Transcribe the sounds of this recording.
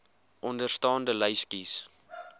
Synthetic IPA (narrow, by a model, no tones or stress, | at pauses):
ʔɔndərstɑːndələjskis